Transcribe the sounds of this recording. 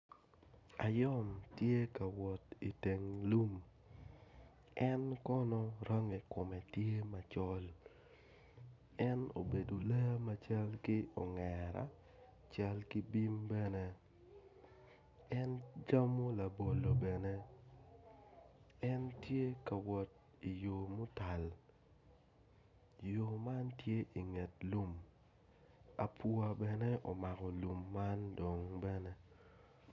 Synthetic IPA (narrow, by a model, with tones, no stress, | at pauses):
a˨jɔ˦mtje˦ka˨wɔ˨ti˨te˨ŋlu˦m | ɛ˦nkɔ˦nɔ˦ɾa˦ŋe˨kʊ˨mɛ˨tje˦ma˨t͡ʃɔ˦l | ɛ˦no̰˨be˨do˨le˦ja˦ma˦t͡ʃa˦lkɪ˦ɔ˨ŋɛ˨ɾa̰˨ | t͡ʃa˦lki˦bi˦mbɛ˦ne˦ | ɛ˦nd͡ʒa˦mo˦la˨bo˨lo˨bɛ˨ne˦ | ɛ˦ntje˦ka˨wɔ˨t̚ | i˨jo˨mʊ˦ta˨l | jo˨ma˦ntje˦ʔi˨ŋe˨t̚lu˦m | a˨pʰu˦a˨bɛ˨nɛ˦ʔɔ˨ma˨kɔ˨lu˨mːa˦ndo˨ŋbɛ˦ne˦